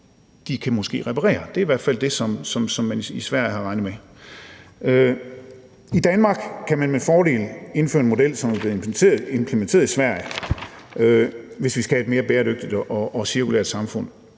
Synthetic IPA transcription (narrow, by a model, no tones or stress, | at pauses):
d̥ikʰæmosɡ̥e̝̰ːʁɛpʰɑʁɛ̰ːɐd̥eɐiʋæɐ̰d̥fæl̰d̥e̝sɒ̽msɒ̽msɒ̽mːænisʋæɐ̰jɦɑ̈ʁɑ̈ɪnð̩ˠme | ø | id̥ænmɑ̈ːɡ̥kʰæmænmefɒːɾe̝̰ːle̝nføːɐe̝nmo̝del̰sɒ̽mæb̥le̝ð̩ˠʰe̝mpʰlement͡sʰe̝̰ɐðˠisʋæɐ̰jə | øʋe̝sʋisɡ̥æhæe̝d̥me̝ːɐb̥eːɐɾøɡ̥̚d̥id̥ʔɒʔɒ̽siɐkʰulḛɐd̥sɑ̈mfɔ̽n̰